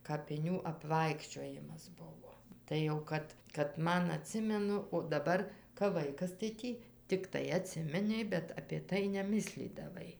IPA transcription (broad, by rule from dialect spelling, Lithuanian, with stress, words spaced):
kɐpʲɪˈnʲuː ɐpˈʋɐɪkʃʲt͡ʃʲoːjɪmɐs ˈbʊʋoː ˈtɐɪ jɛʊ ˈkɐt kɐt ˈmɐn ɐˈtʲsʲɪmʲɛnʊ oː dɐˈbɐr kɐp ˈʋɐɪkɐs tɐɪ ˈtʲiː tʲɪkˈtɐɪ ɐˈtʲsʲɪmʲɪnʲɛɪ bʲɛt ɐpʲeː ˈtɐɪ nʲɛˈmʲɪsʲlʲiːdɐʋɐɪ